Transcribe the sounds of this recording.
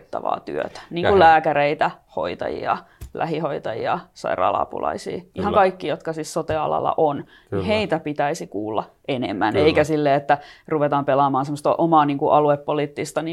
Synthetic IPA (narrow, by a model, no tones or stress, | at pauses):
t̪ːɑ̰ʋɑ̰ːt̪y̰ø̰t̪æ̥niːŋkullæːkæɾeit̪æho̰it̪ɑ̰jḭɑ̰lʔæ̰hihoit̪ɑjḭɑsɑ̰irɑ̰lɑ̰pṵlɑ̰isḭːʔihɑŋkɑikːijot̪kɑsissot̪eɑlɑ̰lːɑ̰ʔon | niheit̪æpit̪æisikuːlːɑ̰ʔenḛmːæneikæsilːeːet̪ːæruʋet̪ɑːmpelɑmɑːnsemːost̪ɑʔomɑːniːŋkuʔɑluepːoliːt̪ːist̪ɑni